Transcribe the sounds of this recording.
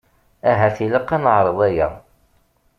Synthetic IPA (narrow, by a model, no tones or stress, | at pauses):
æɦæθiləqːɑnəʕɾˤəðˤæjæ̰